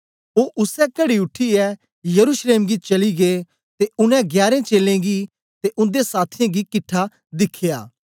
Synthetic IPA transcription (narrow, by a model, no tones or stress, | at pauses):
oːʔʊsɛkɐɽiʊʈʰːiɛ | jɐɾuʃleːmɡit͡ʃɐliɡe | t̪eʊnɛ̃ɡjaːɾẽt͡ʃeːlẽɡi | t̪eʔʊ̃nd̪esaːt̪ʰɪjãɡikɪʈʰːa | d̪ɪkʰeja̰ː